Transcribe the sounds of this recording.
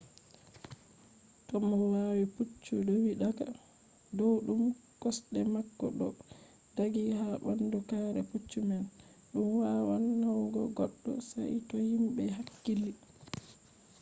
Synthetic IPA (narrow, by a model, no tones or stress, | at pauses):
tɔmːɔwawiput͡ʃːudɔwiɗaka̰ | dɔwɗumkɔsɗɛmakːɔɗɔ | daɡihaɓandukaːɾɛ̰put͡ʃːumɛn | ɗumwawanːawɡɔɡɔɗːɔ̰sa̰jtɔhimbɛɦakːilːi